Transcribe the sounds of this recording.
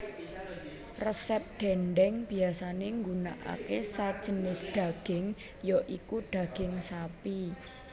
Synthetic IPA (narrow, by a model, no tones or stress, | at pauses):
rəsɛp̚ɖ̪̥ɛnɖɛŋb̥i̤asaneŋɡunaʔa̰kesḁd͡ʒ̥ə̤nɪsd̪̥a̤ɡ̥ɪŋ | jɔʔikuɖ̥a̤ɡ̥ɪŋsapi